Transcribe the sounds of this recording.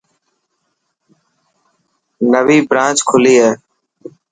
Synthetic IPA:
nəʋiːbɾãːt͡ʃkʰʊliːɦeː

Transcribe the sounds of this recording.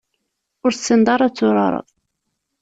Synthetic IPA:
ʊɾsənd̪ɑɾˤɑt͡sːʊɾˤɑ̰ɾˤə̰ðˤ

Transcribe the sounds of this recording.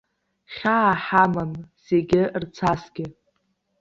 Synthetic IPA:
χʲaːħamanseɡʲɪrt͡sʰasɡʲɪ

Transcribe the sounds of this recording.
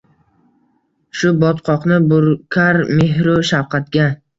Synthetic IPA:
ʃʊbɒt̪qʰɒqnɪbʊɾkʲʰaɾmeɦɾʊʃawqʰɑt̪̚ɡʲa

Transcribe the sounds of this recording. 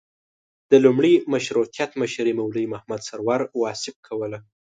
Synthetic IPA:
d̪̥əlumɽimaʃɾut̪ijat̪məʃɾimawləjmahmad̪saɾwɑɾwɑsɪb̚kʰawəla

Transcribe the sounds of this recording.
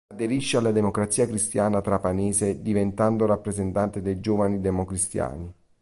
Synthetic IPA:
ad̪eɾiʃːealːad̪emokɾat̪sːiːakɾist̪jaːnat̪ɾapaneːsed̪ivent̪and̪oɾapːɾezent̪ant̪ed̪ejd͡ʒoːvanid̪emokɾist̪ja̰ːni

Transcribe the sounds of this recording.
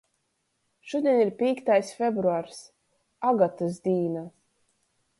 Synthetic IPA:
ʃud̪ʲiɛnʲiɾpʲiːkt̪ajsfʲɛbɾuaɾs | aɡat̪ɨsd̪ʲiːna

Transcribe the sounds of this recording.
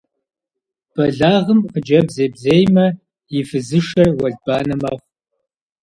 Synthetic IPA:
b̥ɐɮaːʁəmqəd͡ʒɐbzeːbzeːjmɐ | jɪfɨzɨʃɐrwɐɮbaːnɐmɐːχʷ

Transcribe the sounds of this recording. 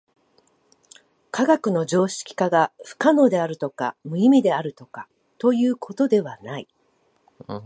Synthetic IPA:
kaɡakɯ̟no̞d͡ʑo̞ːɕi̥kʲi̥kaɡaɸɯ̟̥kano̞d̪e̞aɾɯ̟t̪o̞ka̰mɯ̟imʲid̪e̞aɾɯ̟t̪o̞ka | t̪o̞jɯ̟ːkʰo̞t̪o̞d̪e̞βanai

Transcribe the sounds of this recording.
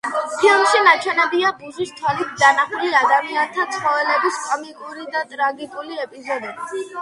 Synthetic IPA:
pʰilˠmʃinat͡ʃʰwɛnɛbiabuzist̪ʰwɛlit̪ʰd̪anaχuliad̪amiant̪ʰat̪sʰχɔvɛlɛbiskʼmikʼuɾid̪at̪ʼɾaɡikʼuliɛpʼizɔd̪ɛbi

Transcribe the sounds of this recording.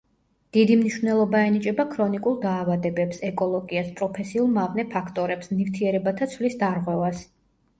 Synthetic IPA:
d̪̥id̪imniʃvnɛlˠɔbaɛnit͡ʃʼɛbakʰɾɔnikʼulˠd̪aːvad̪ɛbɛpsɛkʼɔlˠɔɡiaspʼɾɔpʰɛsiulˠmavnɛpʰakʰt̪ʼɔɾɛpsnift̪ʰiɛɾɛbat̪ʰat̪sʰvlisd̪aɾʁwɛvas

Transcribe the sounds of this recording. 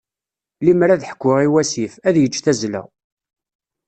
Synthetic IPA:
limɾæðħə̥kʷːʊʁiwæsifæðjət͡ʃːθæzlæ̰

